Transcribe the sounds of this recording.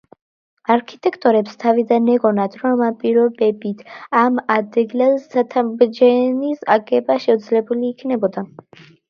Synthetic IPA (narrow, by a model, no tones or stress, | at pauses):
aɾkʰit̪ʼɛkʰt̪ʼɔɾɛpst̪ʰavid̪anɛɡɔnad̪ɾɔmampʼiɾɔbɛbit̪ʰamad̪ɛɡlɛlat̪ʰabd͡ʒɛnisa̰ɡɛbaʃɛud̪zlɛbuliːkʰnɛbɔd̪a